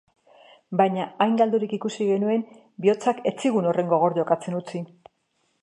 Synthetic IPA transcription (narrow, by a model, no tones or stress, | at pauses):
baɲaajŋɡald̪uɾikikusiɣe̞nue̞n | bio̞t͡sake̞t͡siɣuno̞re̞ŋɡo̞ɣ̞o̞ɾʎo̞kat͡se̞nut͡si